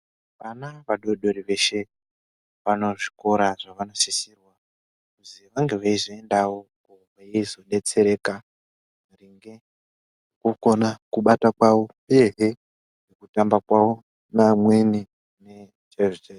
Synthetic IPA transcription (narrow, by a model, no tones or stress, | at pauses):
ʋanaʋaɗo̞ɗo̞ɾiʋe̞ʃe̞ | ʋano̞ʐi̥ko̞ɾaʐaʋanosisirwa | kuziʋaŋɡe̞ʋaizoe̞ndawokoʋaizo̞ɗe̞t͡se̞ɾe̞ka | riŋɡe̞ | kuko̞nakuɓatakwawo̞peɦe | nekutambakwawo | namweni | ne | t͡ʃeʐit͡ʃe